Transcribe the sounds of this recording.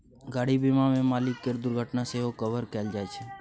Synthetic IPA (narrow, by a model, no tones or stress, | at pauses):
ɡaːɽibimãmẽmaːlɪkːəɾd̪ʊɾɡʱəʈnaseɦokəʋəɾkɛld͡ʒaːjt͡ʃʰe